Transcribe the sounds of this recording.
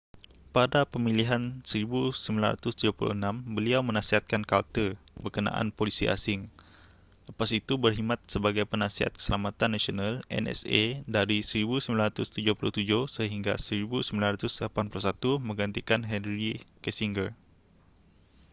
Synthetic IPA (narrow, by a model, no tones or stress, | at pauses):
padapəmiliɦansəɾibusəmbilanra̰t̪ʊst̪ud͡ʒapulṵənãmbəliawmənasiɦat̪̚kankalt̪əbərkəna̰ʔa̰npolisia̰sɪŋ | ləpasit̪ubərɦimat̪̚səbaɡajpənasiɦa̰t̪̚kə̥səlamat̪anːasionalɛ̰nɛ̰sedaɾisəɾibusəmbilanɾat̪ʊst̪ud͡ʒʊhpuluht̪ud͡ʒʊhsəɦiŋɡa̰səɾibusəmbilanrat̪ʊsdəlapanpulusat̪umə̃ŋɡant̪ikanɦɛnɾikɛsiŋɡər